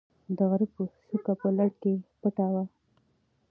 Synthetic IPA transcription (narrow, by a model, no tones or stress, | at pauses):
d̪əɣaɾipusukapəlaɽkepəʈawa